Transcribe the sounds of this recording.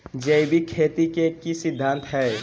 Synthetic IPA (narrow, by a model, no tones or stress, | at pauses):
d͡ʒeibʱikʰeːt̪ikekisɪd̪ʱːãːnt̪ɦɛː